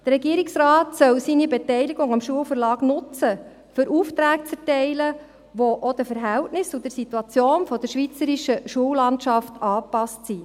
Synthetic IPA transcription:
d̥ərɾɛɡiəɾiksɾɑːtsœwsinibɛtɛɪliɡʊŋɑmʃuəlfəɾlɑːɡnʊt͡sə | fɵɾʔuːft̪ɾæːk̚t͡sɛɾtɛɪlə | ʋoʔod̥̪əfəɾɦɛltnɪsud̥̪əɾsit̪uɑt͡sjoːnfɔd̥̪əɾʃʋit͡səɾiʃəʃuəwlɑntʃɑftɑːpɑstsi

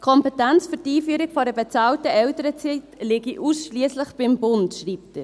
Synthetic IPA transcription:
kʰɔmpɛtɛnt͡sfytiːfyːɾɪɡfɔɾəbɛt͡sɑːltəʔɛltəɾət͡sitlɪɡiʔusʃliəsləχb̥ɪmbʊntʃriːp̚tə

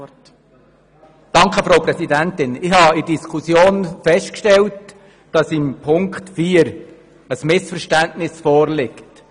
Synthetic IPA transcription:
d̥ɑŋkəfɾoʊpɾɛsidæntɪnɪhɑidiskʰusjoːnfɛstkʃtɛlt | d̥ɑsɪmpʰʊŋktfiːəɾ | əsmɪsfəɾʃtæntnɪsfɔːɾlɪkt

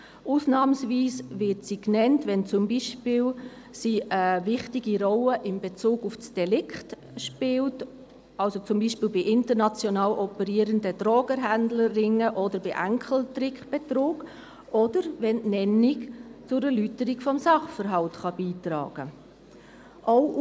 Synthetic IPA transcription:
ʔuːsnɑːmsviːsvɪtsiknɛntʋɛnt͡sʊmbiʃpɪːl | siːʔəvɪχtiɡiɾɔləʔɪmbet͡suːɡufsd̥ɛlɪkt | ʃpɪlt | ɑlsot͡sʊmbiːʃpiːlbɪʔɪntəɾnɑt͡sjɔnɑːlʔɔpəɾiːəɾəndəd̥ɾoːɡəɾɦændlərɪŋəʔɔdəɾbɪʔæŋkχl̩trɪkχb̥etɾuːɡ | ʔɔd̥əɾvɛnnɛnikt͡sʊɾəlytəɾikfɔmsɑχfəɾɦɑltχɑb̥iːtɾɑ̰ːɡ̥ə | ʔoʊ

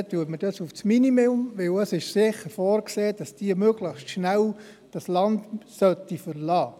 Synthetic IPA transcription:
t̪ːuətməd̥ɑsufsminimeʊmʋɪwəsɪʃsɪχəɾfɔːɾkseːd̥ɑsd̥iəmøɡləχstʃnæw | d̥ɑslɑndsœtːifəɾlɑː

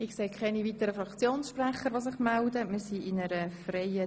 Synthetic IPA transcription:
ɪkseːkʰχɛniʋiːt̪əɾəfɾɑkt͡sjoːnsʃprɛχəɾʋos̬ɪχmɛldəmiːɾsiʔɪnəɾəfreɪə

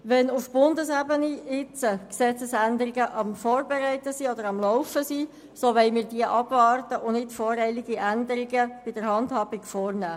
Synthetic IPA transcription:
ʋɛnʊfb̥ʊndəsæbəniɪt͡səksɛt͡səsændəɾɪɡəʔɑmfɔːɾbɛɾɛɪtəsiːodəɾɑmlɔʊfəsiː | soʋɛɪmɪːɾd̥iəʔɑbvɑːrtəʔʊnnɪtfɔːɾɛɪliɡiʔændəɾiɡəb̥ɪdəɾhɑndhɑːbikfɔːrnæː

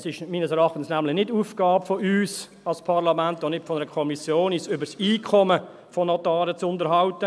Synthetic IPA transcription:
sɪʃmiːnəsɛɾɑχtn̩snæmlɪnɪtduːfɡ̥ɑːbfɔʔyːs | ɑlspʰɑʁlɑmæntɔnɪtfɔnɛɾəkʰɔmisjoːnisʏbəɾsiːkʰɔmə | fɔnɔtɑːɾət͡sʊntəɾɦɑwtə

